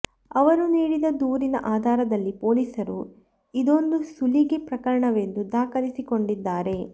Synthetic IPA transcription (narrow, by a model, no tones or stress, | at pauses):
ɐʋɐɾuniːɽid̪ɐd̪uːɾinɐ̰ʔaːd̪ʱaːɾɐd̪ɐlːipo̞ːlisɐɾu | id̪o̞nd̪usuliɡepɾɐkɐɾɐɳɐʋe̞nd̪ud̪aːkɐlisiko̞ɳɖid̪ːaːɾe̞